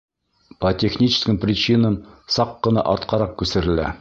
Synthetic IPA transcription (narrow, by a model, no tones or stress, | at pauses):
pɐt̪ʲexnʲit͡ɕɪ̥skə̆mprʲɪt͡ɕinɤnsɑqːɤ̆nɑ̰ʔɒɾt̪qʰɑɾɑq̚kʉsɘ̆ɾɘ̆læ̰